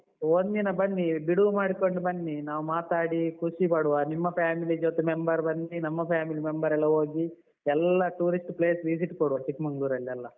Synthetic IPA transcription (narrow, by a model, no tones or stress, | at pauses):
ond̪inɐbɐnːibiɽumaːɽikoɳɖubɐnːinaːʋumaːt̪aːɽikuʂipɐɽuʋanimːɐpʰaːmilid͡ʒoːt̪emembɐɾbɐnːinɐmːɐpʰjaːmilimembɐɾɛlːɐɦoːɡi | ɛlːɐʈuːɾisʈple̞ːsʋis̬iʈkoɽuʋɐt͡ʃikmɐŋɡɭuːɾɐlːiɐlːɐ